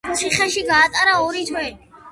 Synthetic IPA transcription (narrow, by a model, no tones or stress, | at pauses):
sʰiχɛʃiɡaːt̪ʼaɾaɔɾit̪ʰwɛ